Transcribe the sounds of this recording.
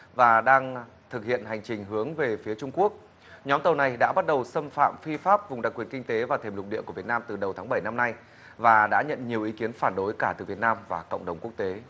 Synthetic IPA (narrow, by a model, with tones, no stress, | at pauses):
vaː˨˩ɗaː˧ŋ | t̪ʰɨ˨˩k̚hḭ˧˨ənɦa˨˩jŋ̟t͡ɕï˨˩ŋ̟ɦɨ˨˦əŋve˨˩fi˨˦ət͡ɕʊ˧ŋ͡mku˦˥ək̚ | ɲɔ˨˦mt̪ə˨˩wna˨˩jɗa̰ː˧˥ɓa˦˥t̚ɗə˨˩wsə˧mfa̰ː˧˨mfi˧faː˦˥p̚vʊ˨˩ŋ͡mɗa˨˩k̚wi˨˩ənkï˧ŋt̪e˨˦vaː˨˩t̪ʰe˨˩mlʊ˨˩ɗḭ˧˨ku˧˩əvt̚naː˧mt̪ɨ˨˩ɗə˨˩wt̪ʰaː˨˦ŋɓə˧˩jna˧mna˧j | vaː˨˩ɗa̰ː˧˥ɲə̰˧˨nɲi˨˩əwʔi˨˦ki˨˦ənfaː˧˩nɗo˨˦jkaː˧˩t̪ɨ˨˩vi˨˩ət̚naː˧mvaː˨˩kə̰˧˨wŋ͡mɗə˨˩wŋ͡mku˦˥ək̚t̪e˨˦